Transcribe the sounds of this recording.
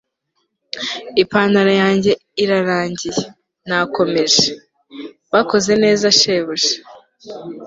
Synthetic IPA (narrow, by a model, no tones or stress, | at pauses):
ipaːnaɾajaːɲɟe̞ | iɾaɾaːɲɟije | nako̞me̞ʒe | βako̞ze̞ne̞ːzaʃe̞βuʒe̥